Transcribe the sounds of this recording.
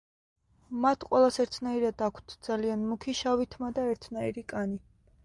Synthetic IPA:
mat̪ʰqʼwɛlˠasɛɾt̪ʰnaiɾad̪akʷʰt̪ʰd̪z̥alianmukʰiʃavit̪ʰmad̪aɛɾt̪ʰnaiɾikʼani

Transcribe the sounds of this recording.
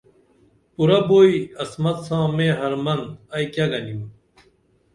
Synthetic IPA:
puɾɐboːiɐsmɐt̪sãːmeːɦɐɾmɐnɐjkjaɡɐnim

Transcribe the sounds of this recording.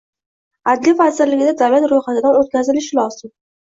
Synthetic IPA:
ad̪livazɪɾlɪɡʲɪd̪ad̪awlat̪ɾojχat̪ɪd̪anot̪̚kʲʰazɪlɪʃɪlɒz̥ɪm

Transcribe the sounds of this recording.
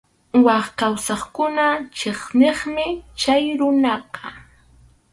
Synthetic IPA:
wɑχkawsɑχkʊnat͡ʃeχneχmɪt͡ʃajɾʊnɑqɑ

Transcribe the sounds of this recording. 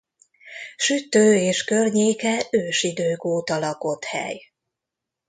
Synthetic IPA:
ʃyt̪øːeːʃkø̞rɲeːkɛøːʃid̪øːkoːt̪ɒlɒko̞t̪hɛ̰j

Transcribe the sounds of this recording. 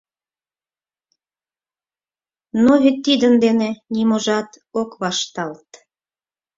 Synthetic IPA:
noβit̪ːid̪ənd̪enenʲimoʒɑt̪ | okβɑʃt̪ɑlt̪

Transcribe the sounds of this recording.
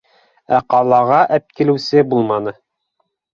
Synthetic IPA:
æqɑlˠɑʁɑʔæp̚kilɘ̆wsɘbulˠmɑnɤ

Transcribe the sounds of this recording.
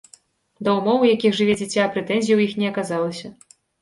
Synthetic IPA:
d̪ɐwmɔwjakʲixʐɨvʲɛd͡zʲit͡sʲapɾɛt̪ɛnʲzʲijiwjixnʲɛɐkazalˠɐsʲɐ

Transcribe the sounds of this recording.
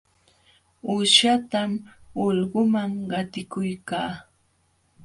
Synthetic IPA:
ʊʃat̪amolɢʊmaŋɢɑt̪ɪkʊjkaː

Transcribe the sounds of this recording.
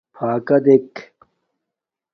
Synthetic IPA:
pʰaːkɐd̪ek

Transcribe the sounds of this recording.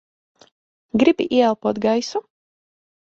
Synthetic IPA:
ɡɾibʲiʔiɛɛlˠpuɔt̪ɡajsu

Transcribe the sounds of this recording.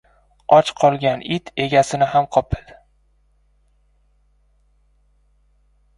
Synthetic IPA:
ɒt͡ʃqʰɒlˠɡʲanɪt̪ʰe̞ɡʲasɪnɪɦamqʰɒpʰɪd̪̥

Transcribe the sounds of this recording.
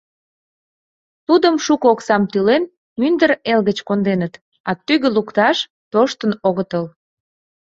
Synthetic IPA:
t̪ud̪əmʃukəoksɑmt̪ylen | mynd̪əɾelɣət͡ɕkond̪enət̪ | ɑt̪yɣəlukt̪ɑʃ | t̪oʃt̪ənoɣət̪əl

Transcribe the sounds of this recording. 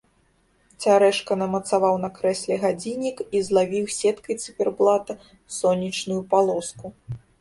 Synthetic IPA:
t͡sʲaɾɛʂkɐnɐmɐt̪savawnɐkɾɛsʲlʲɛɣad͡zʲinʲikizlˠavʲiwsʲɛt̪kɐjt̪sɨpʲɛrblˠat̪ɐ | sɔnʲːit͡ʂnujupalˠɔsku

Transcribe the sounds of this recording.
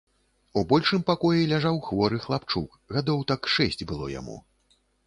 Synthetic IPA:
ubɔlʲʂɨmpakɔjilʲaʐawxvɔɾɨxlˠapt͡ʂuk | ɣad̪ɔwt̪akʂɛsʲt͡sʲbɨlˠɔ̰ja̰mṵ

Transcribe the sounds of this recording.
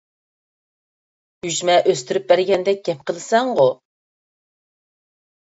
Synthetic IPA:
yʒmɛʔøst̪yɾyp̚bæɾɡʲɛnd̪ɛk̚ʲɡ̥ʲɛp̚qʰəlˠɨsɛŋʁʊ

